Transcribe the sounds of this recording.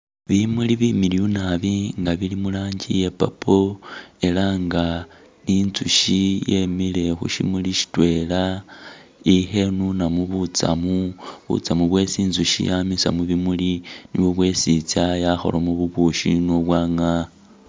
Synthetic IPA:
βimuliβimiliunaβiŋɡaβilimulaːɲɟḭje̞papʰoe̞laŋɡa | ninzuʃije̞mile̞xṵʃḭmuliʃi̥twe̞la | ixe̞nunamuβut͡sa̰muβṵt͡samuβwe̞siːnzuʃḭjamisa̰muβimuliniβoβwe̞sit͡sajaxo̞̰lomuβuβuʃinoβwaːŋa

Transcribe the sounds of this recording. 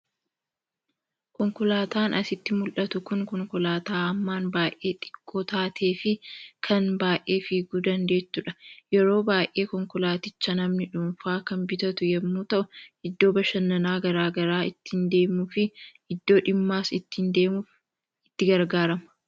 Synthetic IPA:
kɔŋkɔlaːt̪aːnʔɐsɪt̪ːɪmʊlʔɐt̪ʊkʊŋkɔŋkɔlaːt̪aːɐmːaːnbaːʔʔe̞ːt̪ʼɪ̥kʼːoːt̪aːt̪ʰe̞ːfɪkʰɐnbaːjʔe̞ːfiːɡud̪ɐnd̪e̞ːt̪ːʊᶑɐjɛɾo̞ːbaːjʔe̞ːkɔŋkɔlaːt̪ɪt͡ʃːɐnɐmnɪᶑunfaːkɐmbɪt̪ɐt̪ʊjɛmːuːt̪ɐʔʊɪd̪ːo̞ːbɐʃɐnːɐnaːɡɐɾaːɡɐɾaːɪt̪ːɪnd̪e̞ːmːʊfɪ | ɪd̪ːo̞ːᶑɪmːaːsɪt̪ːɪnd̪eː | ɪt̪ːɪɡɐɾɡaːɾɐmɐ̥

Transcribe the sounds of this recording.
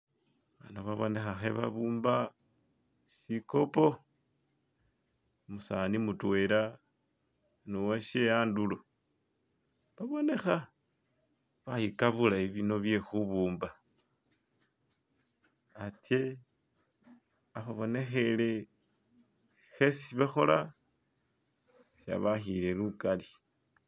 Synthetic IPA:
βanaβaβo̞̰ne̞xaxḛβa̰βuːmba | ʃiko̞po̞ | musanimutwe̞ɾa | nuweʃeaːndulo | βaβo̞ne̞xa | βahikaβulaiβino̞βje̞xuβuːmba | ate | aβaβo̞ne̞xele | si̥xesiβaxo̞la | sa̰βaxiɾe̞lukali

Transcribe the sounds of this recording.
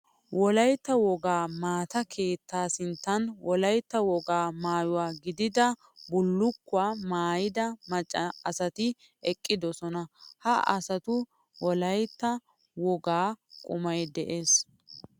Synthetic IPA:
wʔɔlɐjt̪ːɐwɔɡaːmaːt̪ɐkʰe̞ːt̪ːaːsɪnt̪ːɐnwɔlɐjt̪ːɐwɔɡaːmaːjʊwaːɡɪd̪ɪd̪ɐ | bʊlːʊkːʊaːmaːjɪd̪ɐmɐt͡ʃʼːɐɐsɐt̪ɪ | ɛkʼːɪd̪ɔsɔnɐhɐʔɐ̰sɐt̪ʊ | wɔlɐjt̪ːɐ | wɔɡaːkʼʊmɐjd̪ɛʔe̞ːs

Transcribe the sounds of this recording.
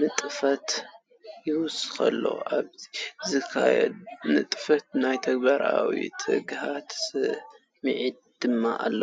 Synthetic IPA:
mɨt̪ʼɨfɐt̪ | jɪwʊskʰɐ̰lːo̰ʔaβzɨkʰajɛ̰d̪nɨt̪ʼɨfɐt̪̚najt̪ʰɐɡ̚baɾawḭt̪ʰɨɡhat̪sɨ | mɨʕid̪̚d̪̥ɨmːaʔalːɐ

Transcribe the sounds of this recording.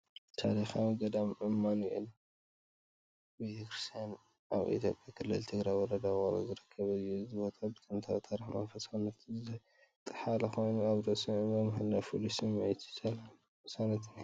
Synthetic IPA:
t̪ʰa̰d̪ɐxamɡɐd̪amʔɨmːanujḛlːɐ | bet̪ʰɐkɾist̪ʰijan | aβḭt̪ʰjo̞̰pʼjakʰɨlːɨlt̪ʰɨɡɾajwɔɾɐd̪awoɾɐ̰zɨɾɨkʰːɐβɐzɨjuzɨbo̞t̪ʰabɨt̪ʼɨnt̪ʰawt̪ʰaɾiħma̰nfɐsanɐt̪ʰizɨa | t̪ʼɨ̥ħalɐxojnuaβɾɐsɨbɐmɨɦɨnːafulisɨmmajt̪ʰi̥sɐla | ɨsanɐt̪ʰna

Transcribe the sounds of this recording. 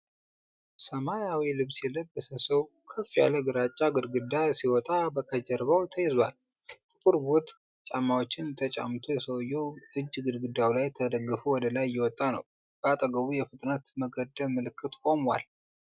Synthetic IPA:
səmajawilɨβsjɛləbːəsəsəw | kʰəfːija̰ləɡɨɾat͡ʃʼːaɡɨd̪ɡɨd̪asiwɔt̪ʼabəkʰəd͡ʒəɾbəwt̪ʰəjɛzwal | t̪ʰɨbʰuɾbo̞t̪ | t͡ʃʼamːawot͡ʃːɪnt̪ʰət͡ʃʼa̰mt̪ʰojɛsəwjːɛwɨd͡ʒːɡɨd̪ɡɨd̪awlajt̪ʰəd̪əɡːəfuwɔd̪əlajːɛwɔt̪ʼːanə̰w | b̥əat̪ʼəɡəβujɛfɨt̪ʼnat̪məɡəd̪əlmɨlɨkʰːɨt̪kʼo̞mwal

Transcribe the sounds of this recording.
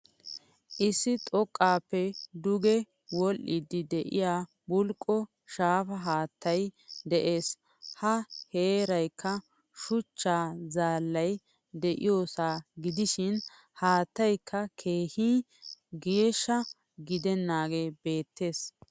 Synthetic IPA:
ʔɪsːɪt̪ʼɔkʼːaːpːɛd̪ʊɡɛ | wɔlːɪd̪ːɪd̪ɛʔɪ̰jaː | bʊlkʼːɔ | ʃaːfɐɦaːt̪ʰːɐjd̪ɛʔe̞ːs | hɐheːɾɐjkːɐ | ʃʊt͡ʃːaːzaːlːɐj | d̪ɛʔɪ̰joːsaːɡɪd̪ɪʃɪn | haːt̪ːɐjkʰːɐkʰe̞ːhiː | ɡeːʃːɐ | ɡɪd̪ɛnːaːɡe̞ːbe̞ːt̪ːe̞ːs

